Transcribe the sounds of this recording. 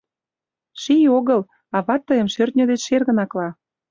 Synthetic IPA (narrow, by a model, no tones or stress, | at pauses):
ʃijoɣə̆l | ɑβɑt̪ːəjə̆mʃørt̪̚ʲnʲəd̪et͡ɕʃerɣə̆nɑklɑ